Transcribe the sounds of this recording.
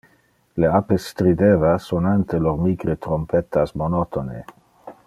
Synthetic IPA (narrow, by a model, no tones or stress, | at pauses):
leapest̪ɾid̪evasonant̪eloɾmiɡɾet̪ɾompet̪asmonot̪ʰone